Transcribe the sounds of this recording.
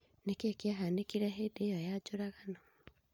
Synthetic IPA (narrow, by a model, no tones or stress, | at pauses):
nekekjaɦanekiɾaɦedeːjojad͡ʒoɾaɣano